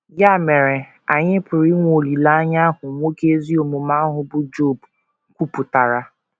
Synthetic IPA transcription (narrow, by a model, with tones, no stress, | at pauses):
ja˦˨me˨ɾe˨ | a˨ɲɪ˦pʊ˨ɾi˦ŋʷ˦o˨li˨la˦a˦ɲa˦ɦʊ˨ŋʷo˦ke˦zi˦o˨mʊ˨ma˦ɦʊ˨bʊ˦d͡ʒo˦˨b | kʷu˦pʊ˨ta˨ɾa˦